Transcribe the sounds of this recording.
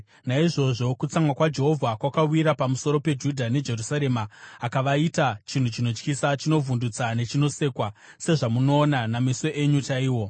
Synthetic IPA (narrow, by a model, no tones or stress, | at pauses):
naiʐo̞ʐo̞kut͡samwakwad͡ʒe̞ɦo̞vʱakwakawiɾapamuso̞ɾo̞pe̞d͡ʒudʱane̞d͡ʒe̞rusaɾe̞maːkaʋaitat͡ʃin̤ut͡ʃino̞t͡ʃkisat͡ʃino̞vundut͡sane̞t͡ʃino̞se̞kwa | se̞ʐamuno̞ːnanamiso̞ʔeɲutaiːwo̞